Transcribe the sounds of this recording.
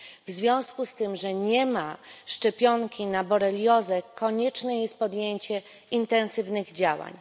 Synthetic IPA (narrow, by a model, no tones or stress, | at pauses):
vzvʲjɔ̃w̃skust̪ɘmʐɛɲɛmaʂt͡ʂɛpʲjɔŋkʲinabɔɾɛlʲjɔzɛkːɔɲɛt͡ʂnɛjɛst̪̚pɔd̪jeɲt͡ɕɛ | int̪ɛnsɘvnɘɣd͡ʑawa̰ɲ